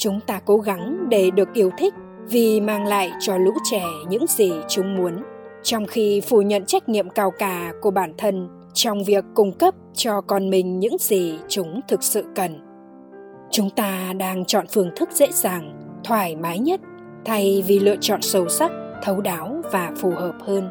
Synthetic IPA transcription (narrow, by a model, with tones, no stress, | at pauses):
t͡ɕʊ˨˦ŋ͡mt̪aː˧ko˨˦ɣa˨˦ŋɗe˧˩ɗɨ˨˩ək̚ʔi˨˦əwt̪ʰï˦˥k̟̚ | vi˨˩maː˧ŋla̰ː˧˨jt͡ɕɔ˧lṵ˧˥t͡ɕɛ˧˩ɲɨ̰˧˥ŋzi˨˩t͡ɕʊ˨˦ŋ͡mmu˨˦ənt͡ɕɔ˧wŋ͡mxi˧fu˧˩ɲə̰˧˨nt͡ɕa˦˥jk̟̚ɲḭ˧˨əmkaː˧wkaː˧˩ku˧˩əɓaː˧˩nt̪ʰə˧n | t͡ɕɔ˧wŋ͡mvi˨˩əkːʊ˧ŋ͡mkə˦˥p̚t͡ɕɔ˧kɔ˧nmï˨˩ŋ̟ɲɨ̰˧˥ŋzi˨˩t͡ɕʊ˨˦ŋ͡mt̪ʰɨ˨˩k̚sɨ̰˧˨kə˨˩n | t͡ɕʊ˨˦ŋ͡mt̪aː˧ɗaː˧ŋt͡ɕɔ̰˧˨nfɨ˧˩əŋt̪ʰɨ˦˥k̚z̥ḛ˧˥zaː˨˩ŋt̪ʰwaː˧˩jmaː˨˦jɲə˦˥t̚ | t̪ʰa˧jvi˨˩lɨ̰˧˨ət͡ɕɔ̰˧˨nsə˧˩wsa˦˥k̚t̪ʰə˨˦wɗaː˨˦wvaː˨˩fu˨˩həː˨˩p̚həː˧n